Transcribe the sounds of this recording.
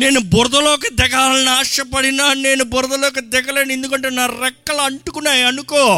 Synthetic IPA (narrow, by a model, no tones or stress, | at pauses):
ne̞ːnubɔɾd̪ɐloːk̬ɐd̪ɛɡaːlɐnaːʂɐpɐɽinaːne̞ːnubɔɾd̪ɐlɔːk̬ɐd̪ɛɡɐleːnend̪ukɐɳʈeːnaːɾɛkːɐlɐɐɳʈukunːaːjiɐnukoː